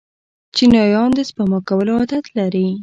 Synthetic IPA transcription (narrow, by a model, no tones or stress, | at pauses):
t͡ʃinɑjɑnd̪əspamɑkawəload̪at̪laɾi